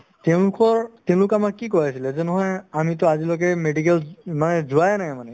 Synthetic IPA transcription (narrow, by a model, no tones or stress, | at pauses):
tɛʊ̃lʊkɔɹtɛʊ̃lʊkamaɹkikɔjasilɛzɛnɔɦɔjamit̬ɔazilɔɡɛmeɖik̬ɛlmanɛzʊajnajmanɛ